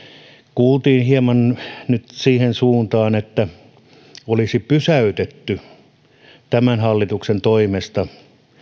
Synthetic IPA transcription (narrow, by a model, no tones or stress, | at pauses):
kuːlt̪iːnhiemɑnnyt̪siːhensuːnt̪ɑːnet̪ːæ | olisipysæyt̪et̪ːy | t̪æmænhɑlːit̪uksent̪oimest̪ɑ